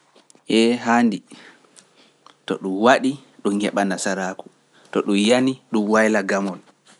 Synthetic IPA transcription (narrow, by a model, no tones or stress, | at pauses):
ʔɛɦaːndi | tɔ̰ɗumwaɗi | ɗumhɛɓanasaɾaːku̥ | tɔɗumjaniɗumwajlaɡamɔl